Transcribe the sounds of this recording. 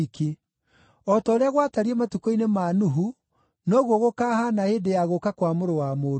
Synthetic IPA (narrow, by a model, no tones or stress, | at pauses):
ke | ɔtɔɾeaɣwataɾiematukoinemanuɦu | nɔːɣwɔɣokaːhanaedejaɣokakwamoɾowamoː